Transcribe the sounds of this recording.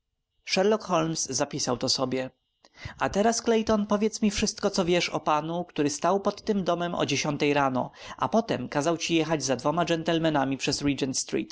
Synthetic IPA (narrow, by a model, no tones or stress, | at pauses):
ʂɛɾlɔkxɔlmsːapʲisawt̪ɔsɔbʲjɛ | at̪ɛɾasklɛjt̪ɔnpɔvʲjɛt̪smʲifʂɘst̪̚kɔt̪sɔvʲjɛʂɔ̰panukt̪uɾɘst̪awpɔt̪ːɘmd̪ɔmɛmɔ̰d͡ʑeɕɔnt̪ɛjɾanɔʔa̰pɔt̪ɛmkazawt͡ɕijɛxad͡ʑzad̪vɔmad͡ʐɛnt̪ɛlmɛnamʲipʂɛzɾid͡ʐɛnt̪st̪ɾḭt̪